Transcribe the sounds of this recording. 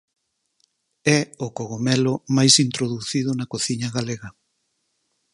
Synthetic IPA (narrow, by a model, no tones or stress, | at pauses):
ɛokoɣomɛlomajsint̪ɾoðuθið̞ʊnɐkoθiɲɐɣaleɣɐ